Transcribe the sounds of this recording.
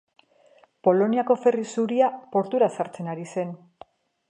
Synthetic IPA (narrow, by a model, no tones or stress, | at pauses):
po̞lo̞niako̞fe̞risuɾiapo̞ɾt̪uɾasaɾt͡se̞naɾise̞n